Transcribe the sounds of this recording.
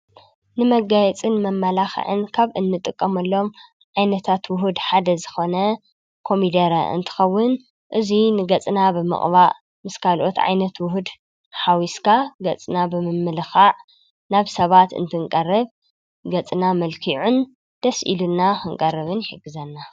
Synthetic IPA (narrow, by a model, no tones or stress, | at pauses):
nɨmɐɡajɛt͡sʼɨnmɐmːɐlaxɐ̰ʕɨ̰nkʰaβʔɨnːɨt̪ʼɨkʼːɐmɐlːo̞m | ʕajnɐt̪ʰat̪wʊɦud̪ħad̪ɐzɨxo̞nɐ | kʰo̞mid̪ɐɾɐ̰ʔɨ̰nt̪ʰɨ̥xɐwːʊn | ʔɨzinɨɡɐt͡sʼnabɨmɨ̰χʼβaʔ | mɨskʰalʔo̞t̪ʕa̰jnɐt̪wʊɦud̪ | ħawiskʰaɡɐt͡sʼnabɨmɨmːɨlɨxaʕ | naβsɐβat̪ɨ̰nt̪ʰɨŋkʼɐrːɐβ | ɡɐt͡sʼnamɐlkʰiʕun | d̪̥ɐsʔḭlunːaxɨŋkʼɐrːɐβɨnħɨɡɨzɐnːa